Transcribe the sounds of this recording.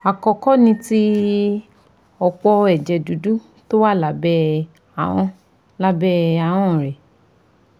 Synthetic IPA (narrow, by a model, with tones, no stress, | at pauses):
a˨kɔ˧kɔ˦nĩ˧ti˦ | ɔ˧k͡pɔ˧ɛ˨d͡ʒɛ˨du˨du˦ | to˦wa˦˨la˨˦bɛ˦ | a˨w̃ɔ̃˧ | la˦bɛ˦a˨w̃ɔ̃˦˨ɾɛ˨